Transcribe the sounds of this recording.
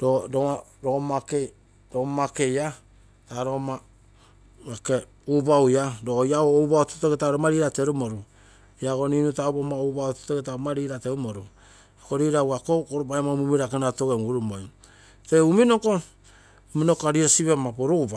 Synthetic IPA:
ɾoɾoɾomake | ɾomakeja | taɾoma | ake | ubawjaɾojaoːwbaoto̥toɡetaɾomaɾiɾateɾumoɾu | iaɡoninutaubomaoubaoto̥toɡetamaɾiːɾateumoɾu | koɾiɾawakokoɾobaemamumiɾakenatoɡemɡuɾumoj | teuminoko | uminokoaɾiɾasiβamapoɾoβa

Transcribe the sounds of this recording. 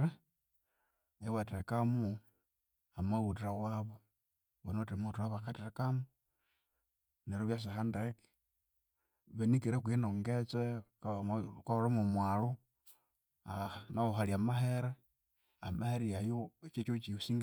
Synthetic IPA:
e | ewatekamu | amautiɾawaβo | βonotemutuaβakatekamu | neɾoβjas̬iɦandeki̥ | βenikiɾekwinoŋɡet͡se | kahoɾemumwalu | anaoɦaliamaɦeɾe | amaheɾiajoet͡ʃet͡ʃot͡ʃiusiŋɡ

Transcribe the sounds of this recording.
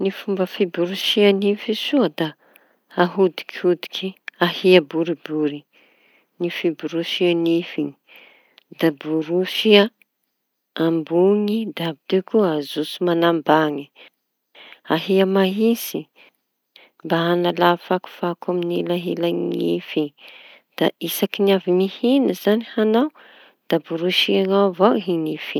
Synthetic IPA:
nifumbəfibuɾuʃianifisuəd̪aː | ɦud̪i̥khud̪i̥kʰiahiabuɾibuɾi | nifibuɾuʃianifiɲi̥ | d̪abuɾusia | ambuŋid̪abid̪ekuazusumanambaŋi | aɦiamaɦisi | mbaɦanalafaku̥fakaminilaɦilaŋifi | d̪̥a̰ʔisakiniavinihinəzanihanaw | d̪̥abuɾuʃiaŋawvoɦinifi

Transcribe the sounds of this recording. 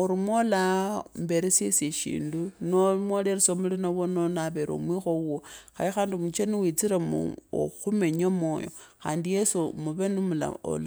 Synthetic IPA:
oɾimwolambe̞ɾesjeseʃḭːndunomwoleɾesomulinawononaβeɾo̰mwixouoxajixaːndimut͡ʃeniwit͡siɾamṵo̰xume̞ɲamoːjo̞̰xa̰ːndijesumuβenumula̰o̰l

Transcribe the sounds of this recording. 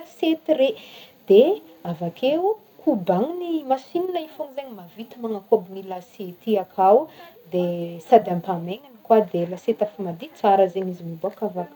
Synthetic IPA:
aset̪ired̪̥eavakʰe | kʰubaŋinimasininaifoŋizaɲimavit̪imaŋakobinilasit̪iakʰawd̪esad̪ampameŋanikwad̪elaset̪afamad̪it͡saɾəzenizimibuakavak

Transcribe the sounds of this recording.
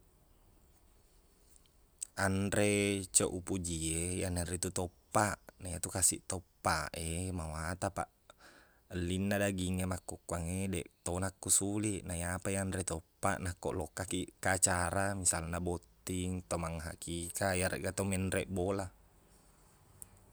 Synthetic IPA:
anɾet͡ʃoʔupud͡ʒiejananɾit̪ut̪opːaʔnajat̪ukasḭʔt̪opːaʔemawat̪apa̰ʔ | lːinːadaɡiŋːemakːokːuaŋedeʔt̪onakːusuliʔnajapajanɾet̪opːa̰ʔnakːo̰ʔlokːakiʔkat͡ʃaɾamisalnabot̪ːiŋt̪omaŋːɦa̰kikajaɾḛʔɡat̪omɛnɾeʔbola

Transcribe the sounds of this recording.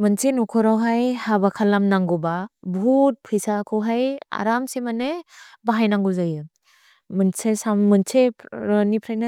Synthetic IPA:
mɯnsenukʰɔɾawɦajhabakʰalamnaŋɡɔbabʱut̚pʰɯjsakʰɯwɦaja̰ɾamsemanebaɦajnaŋɡuzajɯ | mɯnsʰesamːɯnsʰenipʰɾajna

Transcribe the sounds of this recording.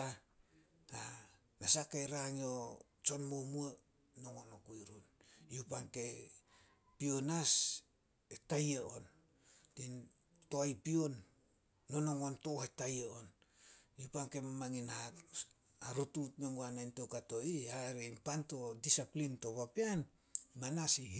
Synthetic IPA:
a | nasakajɾaŋio | t͡ʃo̞nmomua | no̞ŋonokujɾunjupaŋke̞ | pionas | etajeo̞n | tin | to̞ajpionː | onoŋontohetajeonjupaŋke̞mamaŋinha | aɾutut̚meŋɡuanajntokato̞ihaɾempanto̞disaplinto̞βapian | manasi

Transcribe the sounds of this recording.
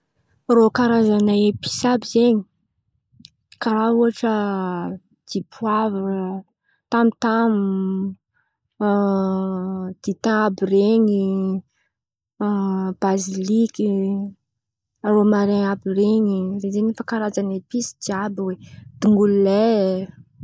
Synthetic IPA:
rokaɾazanaepi̥sabizeɲi̥ | kaɾauaʈ͡ʂə | d̪̥ipʰuavaɾə | t̪amit̪amu | d̪̥it̪ãabireɲi | b̥aziliki | aɾomaɾeabireɲizezeɲifakaɾad͡zanepisi̥d̪iabiwed̪̥iŋɡulule

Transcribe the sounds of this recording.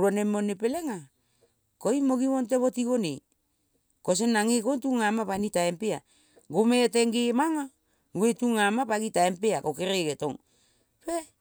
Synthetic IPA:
ɾuanemonepeleŋa | koimoɡiβont̬eβotiɡone | kos̬enːaŋekontuŋamapanitaempea | ɡometeŋɡemaŋa | uwetuŋamapaɡitaempeakokeɾeɡeto̰ŋ | pe

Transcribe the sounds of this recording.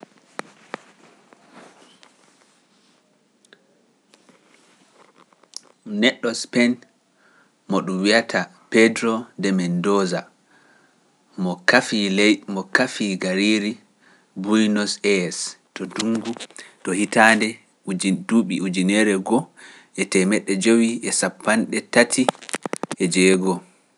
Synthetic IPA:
nɛɗːɔspɛn | mɔɗumwiatʰapɛdɾɔndɛmɛndɔza | mɔkafilmɔkafiɡaɾiɾi | bujnɔsɛstɔduŋɡutɔhitandɛ | duɓiud͡ʒinɛɾɛɡɔ | ʔɛtɛmɛɗːɛd͡ʒowiʔɛsapːanɗɛtatʰiʔɛd͡ʒɛːɡɔ

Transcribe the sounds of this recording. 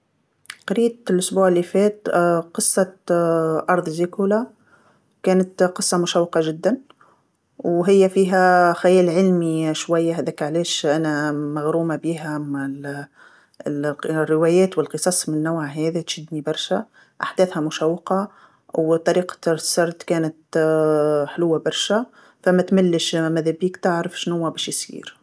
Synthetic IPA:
qɑɾiːlʔʊsbuːʕɪlːifɛːt̪qɨsˤːɑ | ʔɑɾˤðˤzikula | kæːnət̪qɨsˤːɑmʊʃæwːɪqɑʒɪd̪ːæn | wɦɪjːæfiːɦæxajæːlʕɪlmiʃwæjːaɦæːðæːkʕlɛːʃʔænæmaɣɾuːmabiːɦæmæl | rːɪwæːjæːt̪wɪlqɨsˤɑsˤmɪnːʊwʕaɦæːðit̪ʃɪd̪nibɑɾˤʃæ | ʔaħd̪æːθhæmʊʃæwːqɑ | wt̪ˤːɑɾiːqɑ̥sːɑɾˤd̪kæːnət̪ | ħlʊwːabɑɾˤʃæ | fæmæt̪mælːəʃmæðæbiːkt̪aʕɾəfʃnhʊwːæbɛːʃjsˤḭːɾ

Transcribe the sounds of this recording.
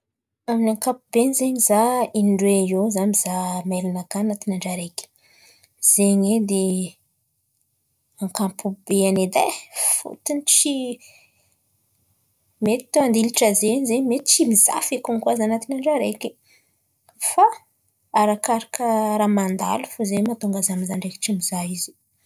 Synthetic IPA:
aminaŋkapubenizeɲizainɳɖ͡ʐwejozamizamelanakanat̪inaɳɖ͡ʐaɾekʲi̥ | z̥eɲed̪e | aŋkampubeaned̪a̰fṵt̪init͡ʃi | met̪i̥t̪oand̪iliʈ͡ʂəzeɲzeɲmet̪t͡ʃimiza̰fekumikuazanat̪inaɳɖ͡ʐaɾekʲi | fa | aɾakaɾakəɾamand̪a̰lufozemat̪oŋɡazamizaɳɖ͡ʐeki̥ʈ͡ʂimizaizi̥

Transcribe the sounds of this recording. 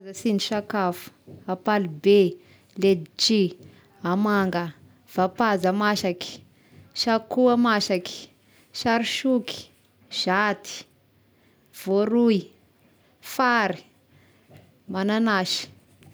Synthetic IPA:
zəsiniʃakafu̥apalube | led̪it͡ʃi | amaŋɡə | v̥apazəmaʃaki̥ | ʃakuamaʃaki̥ | ʃaɾiʃuki̥ | ʒ̥at̪ʰi̥ | v̥oɾu | faɾi̥ | mananaʃi̥

